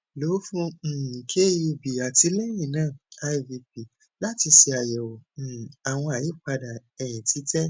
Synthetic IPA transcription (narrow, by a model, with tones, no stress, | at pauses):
lo˨˦fũ˦˨kʰe˦ji˧bi˨a˨ti˧˦lɛ˦jĩ˦˨nãː˦˨a˧i˨vi˧p̚i˨ | la˦ti˧si˧a˨jɛ˨wo˨a˨w̃ɔ̃˧a˨ji˨˦˨k͡pa˧da˨ɛ˨j̃ɛ̃˨ti˨˦tɛ˦